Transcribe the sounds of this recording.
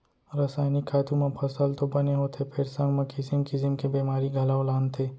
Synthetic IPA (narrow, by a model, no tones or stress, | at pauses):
ɾasaːɪnikʰaːt̪umãpʰɐsəlt̪obɐneɦot̪ʰepʰɪɾsə̃ŋɡmẽkɪsɪmkisɪmkebiːmaːɾiɡʱɐlaːʊlaːnt̪ʰeː